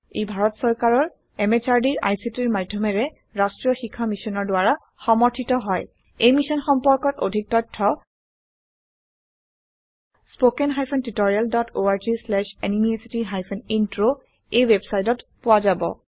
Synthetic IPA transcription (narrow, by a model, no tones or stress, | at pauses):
ejbʱaɹɔtsɔɹkaɹɔɹ | emet͡ʃaɹdiɹʔa̰jsitiɹmadʱɔmɛɹɛ | ɹastɹiɔxikʰːamisɔnɔɹdʊwaɹa | xɔmɔɹtʰitɔɦɔj | ejmisɔnxɔmpɔɹkɔto̰dʱik̚tɔjtʰːɔ | spokɛnɦajpʰɔntitɔɹialdɔtʰoaɹzislɛʃenimiesitiɦajpʰɔnintɹo | ejwebsajtɔtpʊwazabɔ̰